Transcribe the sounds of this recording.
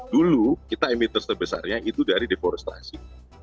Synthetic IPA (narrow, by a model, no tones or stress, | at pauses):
dulukit̪aimit̪ərsəbəsa̰rɲaʔit̪udaɾidefoɾɛst̪a̰si